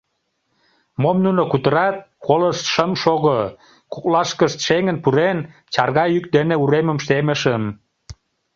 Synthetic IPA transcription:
momnunokut̪əɾɑt̪̚ | koləʃt̪ʃəmʃoɣo | kuklɑʃkəʃt̪ʃeŋənpuɾen | t͡ɕɑrɣɑjyk̚d̪eneuɾeməmʃt̪eməʃəm

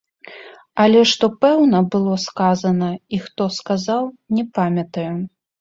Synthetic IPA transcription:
ɐlʲɛʂt̪ɔpɛwnɐbɨlˠɔskazɐnɐixt̪ɔskazawnʲɛpamʲɐt̪ɐju

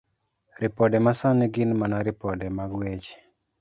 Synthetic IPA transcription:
ɾipɔdɛmasanɛɡɪnmanaɾɪpɔdɛmaɡwet͡ʃ

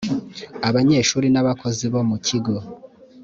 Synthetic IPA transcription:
aβaɲe̞ːʃuːɾinaβakʰo̞ziβomuciɡo

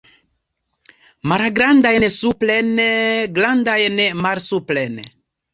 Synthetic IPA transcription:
maɾaɡɾandajnsuplenɡlandajnmalsuplen

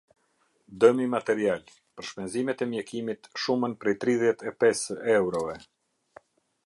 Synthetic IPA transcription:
d̪əmimat̪ɛɾial | pəɾʃpɛnzimɛt̪ɛmjɛkimit̪ʃumənpɾɛjt̪ɾiðjɛt̪ɛpɛsɛwɾɔvɛ

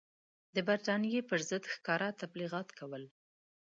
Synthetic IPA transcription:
d̪əbaɾt̪ɑnjepəɾzəd̪xkɑɾat̪abliɣɑt̪kawəl

